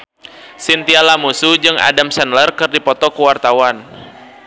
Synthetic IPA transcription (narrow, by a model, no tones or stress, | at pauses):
sint̪ialamusud͡ʒɨŋa̰damsɛnlərkɨrdipɔt̪ɔkuwart̪awan